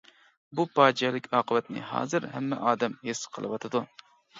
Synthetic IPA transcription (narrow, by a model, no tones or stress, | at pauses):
bupɑːd͡ʒɛlˠɪkʲʰɑːqʰəvɛt̪̚nɪ̰hɑ̰ːzɨɾhɛmːɛʔɑːd̪ɛmhesqʰəlˠɨ̰wɑt̪ʰɨd̪u